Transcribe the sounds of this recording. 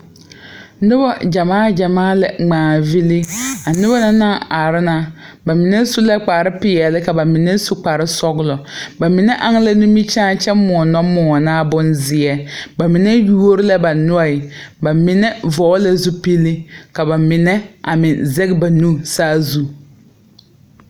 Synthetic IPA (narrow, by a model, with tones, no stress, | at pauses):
nʊ˦bɔ˦d͡ʒa˨maː˦d͡ʒa˨maː˦lɛ̰˨ŋ͡maː˨vi˦li˦a˨nʊ˦ba˦na˦na˦a˨ɾɪ˦na˦ba˨mɪ˨nɛ˦su˦lɛ˦k͡pa˨ɾɪ˦pɪ˨˦ɛ˨lɪ˦ka˨ba˨mɪ˨nɛ˦su˨k͡pa˨ɾɪ˦sɔ˦ɣlɔ˨ba˨mɪ˨nɛ˦ʔa˦ŋ˦la˦nu˦mi˦t͡ʃãː˦t͡ʃɛ˦mɔ˨ɔ˨nɔ˦mɔ˨ɔ˨naː˦bʊ˦nzɪ˨ɛ˦ba˨mɪ˨nɛ˦ju˦o˦ɾɪ˦la˦ba˨nʊ˦a˦˨ɪ˨ba˨mɪ˦nɛ˦vɔː˨˦la˦zu˦pi˦li˦ka˨ba˨mɪ˨nɛ˦a̰˨mɪ˨nzɛ˦ɡba˨nũː˦saː˦zu˦